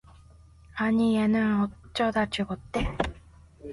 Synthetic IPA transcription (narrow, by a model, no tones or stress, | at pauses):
aɲienɯnot͡ɕ͈ʌd̪at͡ɕɯɡot̪͈ːe